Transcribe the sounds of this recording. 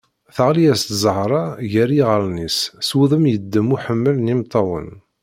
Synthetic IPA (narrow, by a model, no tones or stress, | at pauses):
θəʁliæst̪zˤəhɾˤɑʝæɾiʁəlˤnissuðˤəmjəd̪ːəmuħəmːəlnimt̪ˤːɑwə̰n